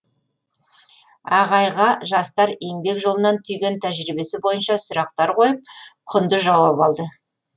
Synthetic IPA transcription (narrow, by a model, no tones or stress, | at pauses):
ɑʁɑjʁɑʒɑst̪ɑɾe̞ŋbe̞kʒo̞lˠənɑnt̪ʰʏjɡʲe̞nt̪ʰæʒɾibe̞sɪbo̞jənʃɑsʊɾɑq̚t̪ɑɾqʰo̞jəp̚qʰʊnd̪əʒɑwɑpɑlˠd̪ə